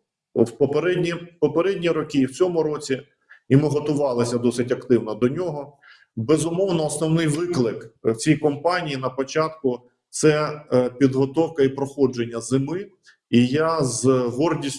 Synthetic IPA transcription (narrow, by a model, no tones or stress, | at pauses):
wpɔpeɾɛdʲnʲipɔpeɾɛdʲnʲiɾɔkʲiwt͡sʲɔmʊɾɔt͡sʲi | imɪɦɔt̪ʊʋɑlˠɐsʲɐd̪ɔsɪtʲɐkt̪ɪwn̪ɐd̪ɔnʲɔɦɔ | bɛzʊmɔwnɔːsnɔwnɪjʋɪklˠɪkwt͡sʲijkɔmpɑnʲijin̪ɐpɔt͡ʃɑt̪kʊ | t̪sɛpʲid̪ɦɔt̪ɔwkɐipɾɔxɔd͡ʒenʲːɐzɪmɪ | ijazɦɔrdʲisʲ